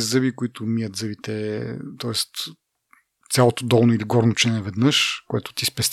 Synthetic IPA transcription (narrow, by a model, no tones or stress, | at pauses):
zɤbikʊit̪ʊmijət̪zɤbit̪ɛt̪ɔɛst̪ | sʲjalˠot̪od̪ɔlˠnoiliɡɔɾnot͡ʃɛnɛvɛd̪nəʃkoɛt̪ʊ̥t̪ispɛst̪ʲ